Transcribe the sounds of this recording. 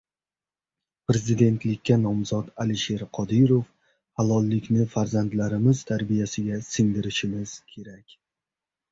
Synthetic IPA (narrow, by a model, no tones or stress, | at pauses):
pɾe̞zɪd̪e̞nt̪lɪkʲːanɒmzɒt̪alɪʃe̞ɾqʰɒd̪ɪɾof | halɒlˠːɪkʲnɪfaɾzand̪laɾɪmɪzt̪ʰaɾbijasɪɡʲasɪŋd̪ɪɾɪʃɪmɪz̥kʲʰe̞ɾakʲ